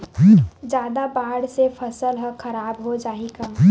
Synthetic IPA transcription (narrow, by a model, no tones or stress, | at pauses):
d͡ʒjaːd̪abaːɽsefʰɐsəlɦəkɐɾaːbɦod͡ʒaːiɡa